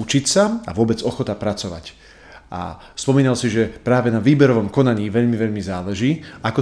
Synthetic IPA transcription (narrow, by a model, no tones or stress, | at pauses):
ut͡ʃicsaa̰ʋʊɔbɛd͡zɔxɔt̪apɾat͡sɔʋa̰c | a̰ | spɔmiːnalsiʒɛpɾaːʋɛnaʋiːbɛɾɔʋɔmkɔnaɲiːʋɛʎmiʋɛʎmizaːlɛʒiːakɔ